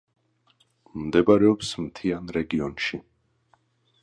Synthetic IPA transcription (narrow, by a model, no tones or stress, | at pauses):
md̪ɛbaɾɛɔpsmt̪ʰianɾɛɡiɔnʃi